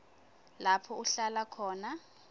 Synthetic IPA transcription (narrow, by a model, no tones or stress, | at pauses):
lapʰɔuɬalakʰɔːna